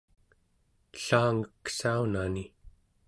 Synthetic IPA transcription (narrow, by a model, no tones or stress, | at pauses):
ɬaːŋəkːsaunani